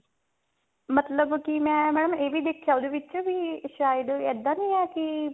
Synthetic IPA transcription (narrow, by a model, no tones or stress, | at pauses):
mət̪ləbkɪmɛ̃ːmɛːɽəmeːʋiːd̪eːkʰːjaːoːd̪eːʋɪt͡ʃːbiːʃaːɪd̪ɛːd̪ãːnĩːɛːkɪ